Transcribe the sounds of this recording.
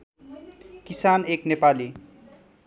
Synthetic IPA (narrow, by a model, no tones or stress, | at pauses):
kisaneknepali